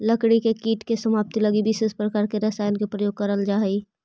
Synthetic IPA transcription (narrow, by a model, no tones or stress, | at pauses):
ləkɽikekiːʈkesəmaːp̚t̪ilɐɡibʱɪʃespɾɐkaːɾkeɾɐsaːjənkepɾəjoːɡ̚kəɾəld͡ʒaːɦi